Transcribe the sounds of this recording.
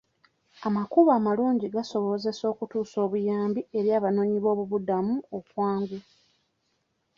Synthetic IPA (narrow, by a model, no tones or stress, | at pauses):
amakuβaːmaluːɲɟiɡaso̞βo̞ze̞so̞ːkutuːso̞ːβujaːmbie̞ɾjaːβano̞ːɲiβo̞ːβuβudamuokwaːŋɡu